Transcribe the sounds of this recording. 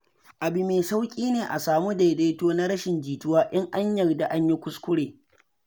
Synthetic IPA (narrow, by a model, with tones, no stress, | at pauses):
ʔa˨bɪ˨meː˨sa˦wkʲʼiː˦neː˨ʔa˨saː˨mu˦da˨jde˦toː˦na˦ɽɐ˦ʃɪ˨nd͡ʒiː˨tʊ˦waː˦ʔɪ˦ŋʔa˦ɲjɐ˨rda˨ʔa˦ɲji˦kʷʊ˦skʷʊ˦ɽeː˨